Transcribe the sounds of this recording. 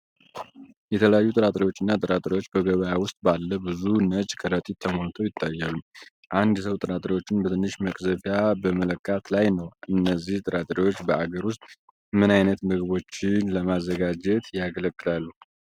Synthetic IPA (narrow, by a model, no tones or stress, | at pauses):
jɛt̪ʰələjajːut̪ʼɨɾat̪ʼɾiwo̞t͡ʃːɨnːat̪ʼɨɾat̪ʼɾiwot͡ʃːbəɡəβəjawʊst̪ʼbalːəbɨzunət͡ʃʼkʰəɾət̪ʼit̪ʰːəmolt̪ʰojɪt̪ʰːajːalum | ʔand̪səwt̪ʼɨɾat̪ʼɾiwo̞t͡ʃːɪnbət̪ʰɨnːɨʃməkʼzəfjabəmələkʼːat̪lajnəwʔɨnːəzːiht̪ʼɨɾat̪ʼɾiwo̞t͡ʃːbəʔaɡəɾwʊst̪ʼ | mɨnajnət̪mɨɡβo̞t͡ʃːɪnləmazːəɡad͡ʒɛt̪jaɡələkʼːɨlalːu